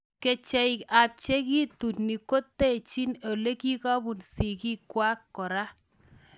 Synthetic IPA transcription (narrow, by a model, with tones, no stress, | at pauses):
ke˨t͡ʃɛ˨i˨ka˨p̚t͡ʃe˦ki˦tu˨tni˨ko˦tːe˦˨t͡ʃi˦no˨le˦ki˦kɔ˦bu˨nsi˨ki˦kwa˦kːɔ˨ɾa˦